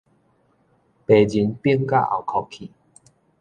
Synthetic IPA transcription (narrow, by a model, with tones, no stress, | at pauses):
pe˨˩d͡ʑi˨˦npji˦ŋka̰˦˧ʔa̰˨˩wkʰɔ˨kʰːi˨